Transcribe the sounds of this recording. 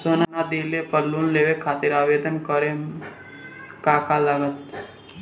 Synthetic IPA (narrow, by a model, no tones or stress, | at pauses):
soːnanad̪ilepəlːunleʋekʰaːt̪iɾaːʋed̪ənkəɾe | kakalaɡət̪̚